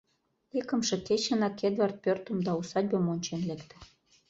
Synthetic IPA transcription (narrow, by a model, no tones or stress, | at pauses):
ekə̆mʃĕket͡ɕə̆nɑked̪vɑrt̪̚pʲørt̪ə̆md̪ɑusɑd̚ʲbemonʲt͡ɕenlekt̪ĕ̥